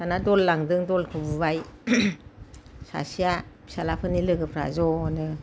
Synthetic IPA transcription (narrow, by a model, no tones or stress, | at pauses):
sanadɔlːaŋdɯŋdɔlkʰɯbɯbaj | sa̰sijḁ | salapʰɯnilɯɡɯpʰɾa̰zɔnɯ